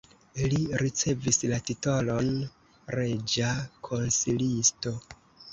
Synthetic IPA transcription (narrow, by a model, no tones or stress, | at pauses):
liɾit͡se̞vislatito̞lo̞n | ɾe̞d͡ʒakʰonsilisto̞